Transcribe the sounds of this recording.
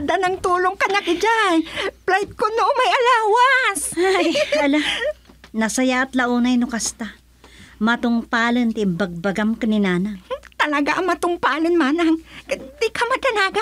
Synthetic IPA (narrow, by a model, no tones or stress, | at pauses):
d̪anɐŋt̪uːloŋkɐɲakɪd͡ʒajplahɪt̪̚konoʔmɐjʔɐlaːwashajɐla | nɐsɐjaɐt̪lɐʔunajnʊkast̪a | mɐt̪oŋpaːlɐnt̪ɪmbɐɡ̚baɡamkanɪnaːnaŋt̪ɐlɐɡaʔɐŋmɐt̪ʊŋpaːlɪnmaːnaŋkɪnd̪ikamɐd̪ɐnaːɡa